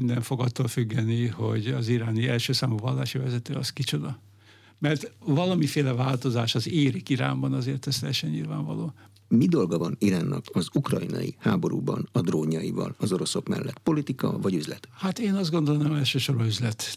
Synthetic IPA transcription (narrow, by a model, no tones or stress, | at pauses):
ind̪ɛɱfo̞ɡɒt̪ːoːlfyɡːɛnːiho̞ɟɒziɾaːniɛlʃøːsaːmuvɒlːaːʃivɛzɛt̪øːɒskit͡ʃo̞d̪ɒ | mɛrt̪vɒlɒmifeːlɛvaːlt̪o̞zaːʃɒzeːɾikiɾa̰ːmbɒnɒzeːrt̪ɛst̪ɛʃɛɲɲḭlva̰ːɱvɒ̰loː | mid̪o̞lɡɒvɒniɾaːnːɒkɒzukrɒjinɒ̰jihaːbo̞ɾṵːbɒ̰nɒd̪roːɲɒjivɒ̰lɒzo̞ɾo̞so̞kmɛ̰lːɛt̪po̞lit̪ikɒvɒɟyzlɛt̪hat̪eːnɒzd̪ɡo̞nd̪olonamɛlʃøːʃo̞ɾoyzlɛt̪